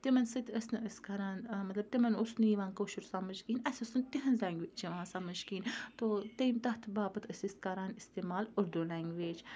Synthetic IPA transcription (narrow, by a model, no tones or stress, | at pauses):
t̪imɐnsɨt̪ʲʰəsnɨʔəskɐɾaːnmɐt̪lɐb̚t̪imɐnʊsnujiʋaːnkoːʃuɾsaːmɐʃkiːnɐsʲɐsɨnt̪iɦɐnzʲaːŋɡʋeːt͡ʃiʋaːnsamɐʃkiːnt̪ot̪ejmt̪ɐht̪ʰbaːbɨt̪ʰəsʲist̪̚kɐɾaːnist̪eːmaːlʊɾd̪ulaːŋɡʋeːd͡ʒ